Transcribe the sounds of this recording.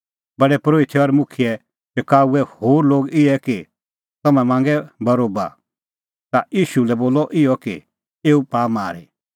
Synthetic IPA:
bɐɽɛpɾoːʋɪt̪ʰːɛɔɾmʊkʰɪjɛ | t͡ʃɐkaːuɛhoːɾloːɡɪɛki | t̪ɐmɛ̃mãːŋ̆ɡɛbɐɾoːba̰ | t̪ajiːʃulɛboːlːɔʔɪjɔkḭ | eːupaːmaːɾḭ

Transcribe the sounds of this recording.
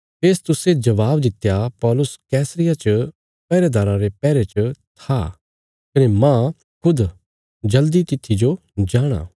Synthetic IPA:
peːst̪ʊsed͡ʒɐʋaːbd̪ɪt̪japɔːlʊskɛːsɾɪjat͡ʃɐ | pɛːɾed̪ʱaːɾãɾepɛːɾet͡ʃət̪ʰa | kɐnemã | kʰʊd̪ | d͡ʒɐld̪it̪ɪt̪ʰːid͡ʒo | d͡ʒaːɽ̃a̰ː

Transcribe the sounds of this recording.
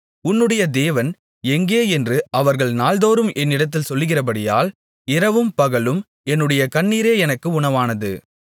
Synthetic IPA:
ʊnːɯɽɐjɐd̪eːʋɐn | ɛŋɡeːɛndrɯʔɐʋɐɾɣɐɭnaːld̪oːɾɯmʔɛnːɪɽɐt̪ːɪlsɔlːɯɣɪrɐpɐɽɪja̰ːl | ɪɾɐʋɯmpɐɣɐlɯm | ɛnːɯɽɐjɐkɐɳːiːɾeːɛnɐkːɯʊɳɐʋaːnɐðɯ̰

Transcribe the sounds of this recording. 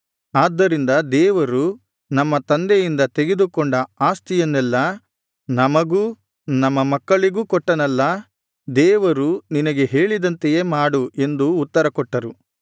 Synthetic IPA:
aːd̪ːɐɾind̪ɐd̪ɛːʋɐɾu | nɐmːɐt̪ɐnd̪ejind̪ɐt̪e̞ɡed̪ukɔɳɖɐaːst̪ijɐnːɛlːɐ | nɐmɐɡuː | nɐmːɐmɐkːɐɭiɡuːkɔʈːɐnɐlːɐ | d̪ɛːʋɐɾuninɐɡe̞ɦe̞ːɭid̪ɐnt̪ejeːmaːɽue̞nd̪uːt̪ːɐɾɐkɔʈːɐɾu

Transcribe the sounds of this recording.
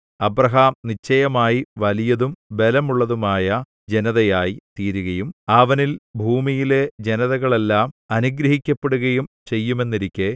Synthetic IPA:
ɐbrɐɦaːmnit͡ɕːɐjɐmaːjiʋɐlijɐðumbe̞lɐmuɭːɐðumaːjɐ | d͡ʑe̞nɐðɐjaːjit̪iːɾuɣɐjumɐʋɐnilbʱuːmijile̞d͡ʑe̞nɐðɐɣɐɭe̞lːaːmɐnuɡɾɐɦikʲːɐpːeɽuɣɐjumt͡ɕe̞jːume̞nːiɾikʲːe

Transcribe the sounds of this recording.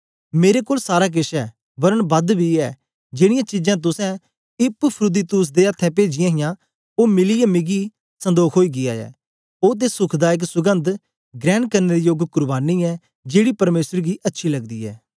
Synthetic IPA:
meːɾeːkoːlsaːɾaːk̬ɪʃɛː | bəɾənbəd̪bʱiːɛː | d͡ʒeːɽɪjãːt͡ʃɪd͡ʒãːt̪̬ʊsɛ̃ː | ɪppʰɾʊd̪iːt̪ʊs̬d̪eːət̪ʰːɛ̃ːpeːd͡ʒɪjãːɦɪjãː | oːmɪliːjaːmɪɡiː | sə̃nd̪oːkʰɦoːiːɡɪja̰ːɛ̰ː | oːt̪̬eːsʊkʰd̪aːɪk̬sʊɡə̃nd̪ | ɡɾɛːɳkəɾneːɾiːjoɡkʊɾbaːniːɛː | d͡ʒeːɽiːpɐɾmeːsəɾɡiːʔɐtːʃʰiːləɡd̪iːɛ̰ː

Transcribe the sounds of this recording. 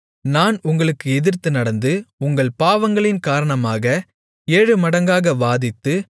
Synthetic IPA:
naːnʊŋɡɐɭɯkːɯɛðɪrt̪ːɯnɐɽɐnd̪ɯʊŋɡɐɭpaːʋɐŋɡɐɭɪnkaːɾɐɳɐmaːɣɐ | eːɻɯmɐɽɐŋɡaːɣɐʋaːðɪt̪ːɯ

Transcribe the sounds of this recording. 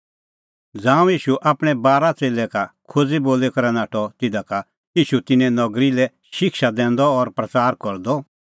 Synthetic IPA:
d͡zãːũjiːʃuʔaːpɽ̃ɛbaːɾat͡seːlɛkakʰʊd͡ziboːlɛkɐɾɛnaːʈʰɔt̪ɪd̪aka | jiːʃut̪ɪnɛ̃nɔɡɾilɛ | ʃʃɪkʃad̪ɛ̃ːnd̪ɔːɾpɾɐt͡saːɾkɔɾd̪ɔ

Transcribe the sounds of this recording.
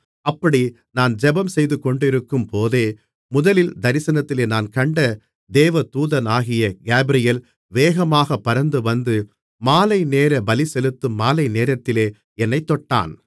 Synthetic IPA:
ɐpːɐɽi | naːnd͡ʒɛbɐmsɛjðɯkːɔɳɖɪɾɯkːɯmpoːðeː | mʊðɐlɪld̪ɐɾɪsɐnɐt̪ːɪleːnaːnkɐɳɖɐ | d̪eːʋɐt̪uːðɐnaːɣɪjɐɡeːbɾɪjɐl | ʋeːɣɐmaːɣɐpːɐɾɐnd̪ɯʋɐnd̪ɯ | maːlɐɪneːɾɐbɐlɪsɛlɯt̪ːɯmːaːlɐɪneːɾɐt̪ːɪleː | ɛnːɐɪt̪ːɔʈːa̰ːn

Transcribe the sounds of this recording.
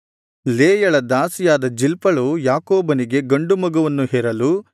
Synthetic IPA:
leːjɐɭɐd̪aːsijaːd̪ɐd͡ʒilpɐɭujaːkoːbɐniɡe̞ɡɐɳɖumɐɡɐʋɐnːuɦɛːɾɐlu

